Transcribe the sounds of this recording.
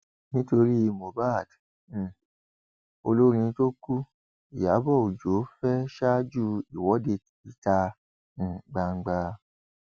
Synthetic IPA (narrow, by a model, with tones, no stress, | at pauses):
nĩ˦to˧ɾi˦˧mo˨ba˦˨d̩˨ | o˧lo˦ɾ̃ĩ˧to˦ku˦ | i˨ja˨˦bɔ˦˨u˨d͡ʒo˨˦fɛ˦ʃa˦d͡ʒu˦i˨wɔ˨˦de˧ | i˨ta˧ | ŋ̩˨ɡ͡ba˧ŋ̩˧ɡ͡ba˧